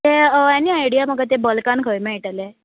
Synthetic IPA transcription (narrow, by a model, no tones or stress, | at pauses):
t̪eəjanːiajɽijaməɡət̪̬ebəlkankʰəjmɛ̃ʈale